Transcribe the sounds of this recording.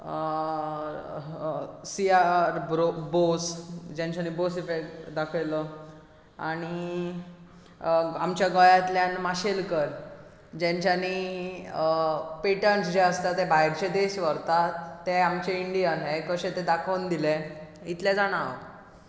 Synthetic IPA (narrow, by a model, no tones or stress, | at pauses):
siaɾbɾobosd͡ʑãɲt͡ɕanibosifekd̪akʰələ | aɽ̃i | amt͡ɕjaɡɔjat̪ljanmaɕelkəɾ | d͡ʑɛ̃ɲt͡ɕani | peʈənsd͡ʑeəst̪at̪ɛ̃bʱaiɾt͡ɕed̪esʋəɾt̪at̪ːeamt͡ɕeiɳɖijənɦekəɕẽt̪ed̪akʰənd̪ile | it̪ljad͡zaɽ̃aʋə̰